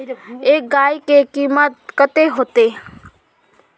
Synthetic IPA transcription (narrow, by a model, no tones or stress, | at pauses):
eːk̚ɡaːikekiːmət̪̚kət̪eɦoːt̪eː